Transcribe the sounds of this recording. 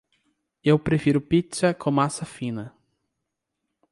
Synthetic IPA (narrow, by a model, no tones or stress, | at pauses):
ewpɾefiɾʊpit͡ʃɐkʰõmasɐfĩnɐ